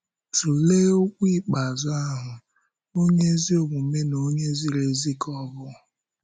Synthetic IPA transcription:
tu˨leː˦o˦kʷi˦˨k͡pa˨zʊ˦a˦ɦʊ˨ | o˦ɲe˦zi˦o˨ɡ͡bʷu˨me˦no˦ɲe˦zi˦ɾe˨zi˦kɔ˦bʊ˦˨

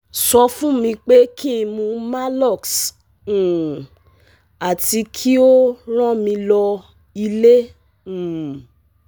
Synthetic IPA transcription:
sɔ˧fũ˦mĩ˧k͡pe˦kʰĩ˦˨mũ˧ma˦lɔ˦˨ks̩˨ | a˨ti˧kʰi˦o˦ɾ̃ã˦mĩ˧lɔ˧ | i˧lẽ˦˨

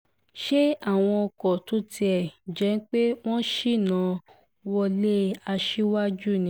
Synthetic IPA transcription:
ʃe˦a˦˨w̃ɔ̃˧ɔ˧kɔ˨to˨˦tʰi˧ɛ˨d͡ʒɛ˨˦n˦k͡pe˦w̃ɔ̃˦ʃi˦˨nã˨˧˦ | wɔ˧le˦a˧ʃi˦wa˦d͡ʒu˦˨nĩ˧˦

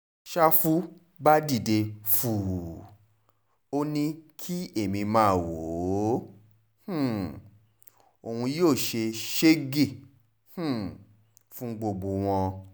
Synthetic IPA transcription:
ʃa˦fu˦ | ba˦di˦˨de˧fu˨ | o˦nĩ˦kʰi˦e˦˨mĩ˧mãː˨˦˨wo˨˦ | h̩˨ | o˨hũ˧joː˦˨ʃe˧ʃe˦ɡi˦˨ | h̩˨ | fũ˦ɡ͡bo˧˨ɡ͡bo˧w̃ɔ̃˧

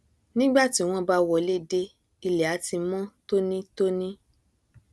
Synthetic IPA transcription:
nĩ˦ɡ͡ba˦˨ti˨˦w̃ɔ̃˧ba˧˦wɔ˨le˦de˧ | i˧˨lɛ˨a˨˦ti˧mɔ̃˦to˦nĩ˦to˦nĩ˦

